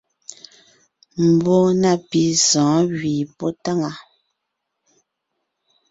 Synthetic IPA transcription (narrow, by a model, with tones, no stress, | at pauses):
m̩˨bo˦na˦˨pi˨zɔ̃ː˨˦ɣɥiː˨pɔ˦ta˦˨ŋa˨